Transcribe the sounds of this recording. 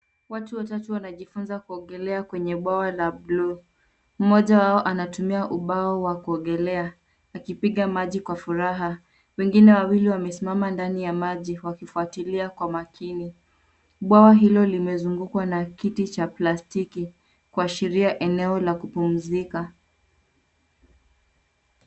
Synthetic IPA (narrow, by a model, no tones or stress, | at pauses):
watuwatatuwanaʄifunzakuɔɡɛlɛakwɛɲɛɓwawalablu | m̩mɔʄawaɔʔanatumiaʔuɓaɔwakuɔŋɠɛlɛaː | kipiɠamaʄikwafuɾaɦa | wɛŋɡinɛwawiliwamɛsimamandanijamaʄiwakifuatiliakwamakʰini | ɓwawaɦilɔlimɛzuŋɡukwanakitit͡ʃaplastiki | kuaʃiɾiaʔɛnɛɔlakupum̩zika